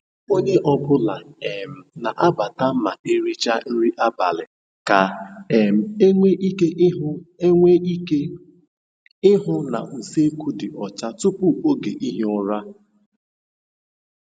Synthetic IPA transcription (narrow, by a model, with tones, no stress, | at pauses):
o˦ɲe˦ʔɔ˨bʊ˦la˨e˨m̩˨na˨ʔa˦ba˨ta˦ma˨ʔe˦ɾi˦t͡ʃa˦n̩˦ɾi˦ʔa˦ba̰˨lɪ˨ | ka˨e˨m̩˨e˦ŋʷe˦ʔi˦ke˦ŋʷe˦e˦ | ɪ˦ɦʊ˦na̰˨n̩˨se˦ku˦dɪ˨ʔɔ˨t͡ʃa˦tʊ˦pʊ˦o˦ɡe˨ʔi˦ɦi˦ɔ˦ɾa˦